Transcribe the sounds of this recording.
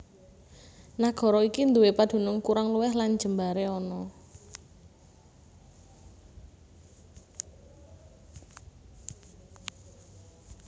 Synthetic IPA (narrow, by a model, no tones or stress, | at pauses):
naɡ̥ɔ̤ɾɔikind̪uwepad̪̥ṳnʊŋkuɾaŋluwɛhland͡ʒ̥əmbaɾeɔnɔ